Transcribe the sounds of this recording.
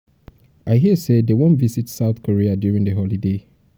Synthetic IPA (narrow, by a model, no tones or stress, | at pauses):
ʔaɪɦisedewõnvizitsaʊθkʰoɹiadjuɹĩŋdəɦɔlide